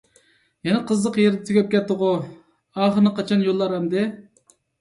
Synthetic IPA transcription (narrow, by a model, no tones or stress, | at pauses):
jɛnɛqʰəzlˠəqjeɾd̪ɛt̪ʰyɡʲɛp̚kʲɛt̪ːɨʁʊ | ɑːχəɾnɨqʰɑt͡ʃʰɑnjolˠːɑɾhɛmd̪ɪ